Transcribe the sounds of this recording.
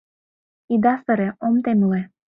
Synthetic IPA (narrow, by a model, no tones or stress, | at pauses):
id̪ɑst̪əɾeomt̪enule